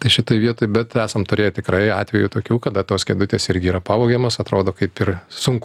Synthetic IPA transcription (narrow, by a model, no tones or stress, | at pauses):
t̪ɐɪʃʲɪt̪oːjʋʲiɛt̪oːjbʲɛt̪æːsɐmt̪ʊɾʲeːjt̪ʲɪkɾɐɪɑ̰ːt̪ʲʋʲɛjut̪oːkʲuːkɐd̪ɐt̪oːskʲeːd̪ʊt̪ʲeːsɪɾʲɡʲɪiːɾɐpɑːʋoːɡʲemoːsɐt̪ɾoːd̪oːkɐɪpɪrsʊŋk